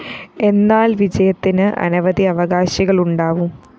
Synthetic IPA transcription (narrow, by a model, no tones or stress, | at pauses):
e̞nːaːlʋid͡ʑɐjɐt̪ːinɨʔɐ̰nɐʋɐd̪iɐʋɐɣaːɕiɣɐɭuɳɖaːʋum